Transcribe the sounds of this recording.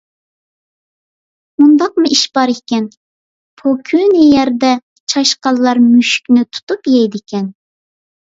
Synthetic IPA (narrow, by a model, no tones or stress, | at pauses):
mund̪ɑq̚muiʃbɑɾikʲɛn | pʰokʲʰynɪjɛɾd̪ɛ | t͡ʃʰɑʃqɑlˠːɑɾmyʃy̥kʲnɪt̪ʰu̥t̪upjɛjd̪ɪkʲʰɛn